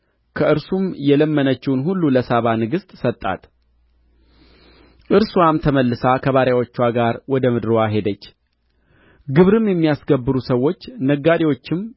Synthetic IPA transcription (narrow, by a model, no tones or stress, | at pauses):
kʰəɨɾsumjɛləmːənət͡ʃːɪwnhulːuləsaβanɨɡɨst̪ʼsət̪ʼːa̰t̪ | ʔɨɾswamt̪ʰəməlːɨsakʰəβaɾjawot͡ʃːwaɡaɾwɔd̪əmɨd̪ɾwaɦe̞d̪ət͡ʃː | ɡɨβɾɨmjɛmːijasɡəbːɨɾusəwːo̞t͡ʃːnəɡːad̪ewo̞t͡ʃːɪm